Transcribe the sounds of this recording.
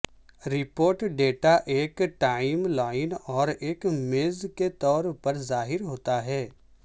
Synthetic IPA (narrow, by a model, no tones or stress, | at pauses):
ɾɪpoːɾʈɖeːʈaʔeːkʈaːɪmlaːɪnɔːɾeːkmeːzket̪ɔːɾpɐɾzaːɦɪɾɦoːt̪aɦɛː